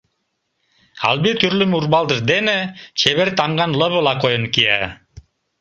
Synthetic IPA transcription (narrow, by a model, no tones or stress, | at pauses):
a̰lˠbit̪ʰyɾlymuɾbɑlˠd̪ɯɾd̪enət͡ʃʰeβeɾt̪ɑmɡɑnlˠɤβəlˠɑqojɤnkia